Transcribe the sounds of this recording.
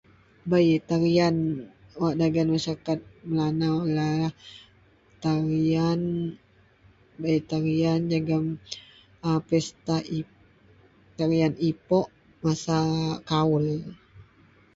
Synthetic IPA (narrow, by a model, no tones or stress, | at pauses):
bait̪aɾianwaʔdaɡanmasakat̪̚məlanalalah | t̪aɾian | bait̪aɾiand͡ʒaɡam | əpɛst̪ai | t̪aɾianipɔʔ | masakaul